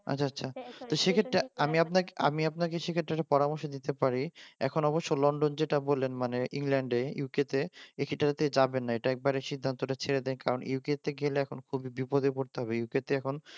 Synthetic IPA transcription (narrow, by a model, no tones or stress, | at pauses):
a̰t͡ɕːʰaatːɕʰat̪oʃekʰeʈːɾaamiapnakea̰miapnakeʃekʰeʈːɾaɾapɔɾamoɾʃod̪it̪epaɾiɛ̰kʰonɔboʃːolɔɳɖond͡ʑeʈabolenmaneʔḭŋlɛɳɖeuuket̪eekʰeʈːaɾat̪ed͡ʑabenːaeʈaɛk̚baɾeʃid̪ʱːant̪oʈat͡ɕʰeɾed̪enkaɾonḭuket̪eɡeleɛkʰonkʰubibipod̪ekoɾt̪eɦɔbeiuket̪eɛkʰon